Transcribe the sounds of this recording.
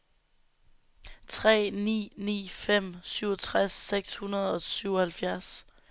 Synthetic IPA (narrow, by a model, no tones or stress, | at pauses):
t͡sʰʁɛ̰ːnḭːnḭːfem̰syʊɐt͡sʰʁasːeɡ̥shunɐð̞̩ˠɒ̽syʊɒhælfjæɐs